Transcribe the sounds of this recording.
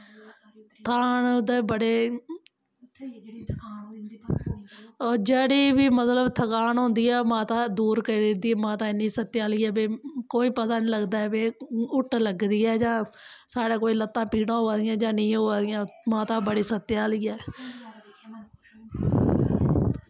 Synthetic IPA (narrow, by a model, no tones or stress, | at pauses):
t̪ʰaːnʊd̪ẽːbəɽeː | d͡ʒeːɽiːʋiːmət̪ləbt̪ʰəkaːnɦõːnd̪iːɛːmãːt̪ãːd̪uːɾkəɾiɾd̪iːmãːt̪ãːnĩːsət̪ːjaːliːɛːbeːkoːiːpət̪aːnĩːləɡd̪aːɛːbeːʊʈləɡd̪iːɛːd͡ʒãːsaːɽaːkoːiːlət̪ːãːpiːɽãːɦoːaːd̪ɪjãːd͡ʒãːnəĩːɦoːaːd̪ɪjãːmãːt̪ãːbəɽiːsət̪ːjaːliːɛː